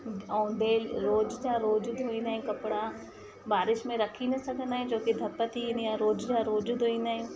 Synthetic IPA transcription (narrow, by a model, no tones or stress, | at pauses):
ɔːɖeːlɾoːd͡ʒd͡ʒaɾoːd͡ʒʊd̪ʱoːĩnd̪aːɦẽkɐpɽa | baːɾɪʃmẽɾɐkʰinɐsɐɡənd̪aːɦẽd͡ʒoːkid̪ʱɐpːət̪injaɾoːd͡ʒd͡ʒaɾoːd͡ʒud̪oĩnd̪aːeĩː